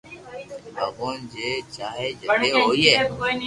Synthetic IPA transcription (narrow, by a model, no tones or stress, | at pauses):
ə̰ɡoːnd͡ʒeːt͡ʃaːɦeːd͡ʒəeːɦoːiːɦeː